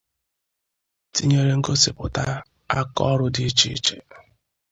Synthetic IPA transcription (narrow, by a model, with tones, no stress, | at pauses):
ti˦ɲe˦ɾe˦ŋ̩˦ɡo˦si˨pʊ˨ta˦ | a˦kɔ̰˦ɾʊ˦di˦t͡ʃi˦t͡ʃḛ˨